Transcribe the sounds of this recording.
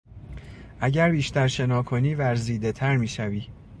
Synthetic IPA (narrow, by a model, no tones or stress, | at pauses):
ʔæɟæɾbiːʃt̪ʰæɾʃe̞nɒːkʰo̞niːvæɾziːd̪e̞t̪ʰæɾmiːʃæviː